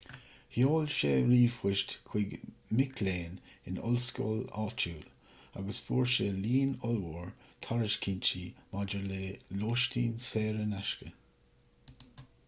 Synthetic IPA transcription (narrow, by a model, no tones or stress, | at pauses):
hjoːlʃeːɾiːfwɪʃtkʰw̥ɪɡmɪkʰleːnɪnɔ̰lskɔ̰ːla̰ːt͡ʃuːl | a̰ɡəsfuːɹʃeliːnɔlwuɹt̪ʰaɹɪʃkʰiːnt͡ʃiːmad͡ʒəɹleːloːʃtʰiːnseːɾənaʃkə